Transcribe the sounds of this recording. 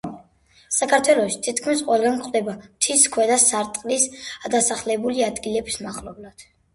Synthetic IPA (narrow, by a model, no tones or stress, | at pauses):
sakʰaɾt̪ʰwɛlˠɔʃi̥t̪ʰit̪kʰmisqʼɔɛlˠɡankχʼʰd̪ɛbamt̪ʰiskʰwɛd̪asaɾt̪ʼqʼlisad̪asaχlɛbuliad̪ɡilɛbismaχlɔblad̪̥